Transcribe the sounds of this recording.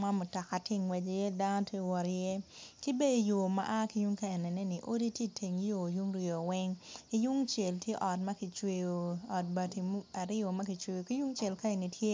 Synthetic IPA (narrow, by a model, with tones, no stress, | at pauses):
ma˦mo˨tɔ˨ka˨tɪ˦ŋwɛ˨d͡ʒje˦da˦nɔ˦tʰje˦wɔ˨ɾjɛ˦ki˦be˦di˨jo˨ma̰˦ʔa˦ki˨˦ju˦ŋka˦˨ɛ˨nɛ˨nɛ˦nɪ˨ʔo˦di˦tje˦tʰe˨ŋjo˨ju˦ŋɾi˨o˨wɛ˦ŋki˦ju˦ŋt͡ʃjɛ˨ltje˦ʔɔ˨tmɐ˦kɪ˨t͡ʃwe˨jo˨ɔ˨t̚ba˨ti˨m˦a˨ɾɪ˦o˨mɐ˦ki˨t͡ʃwe˨jo˨ki˦ju˦ŋt͡ʃe˨lka˦i˨ni˨tʰje˦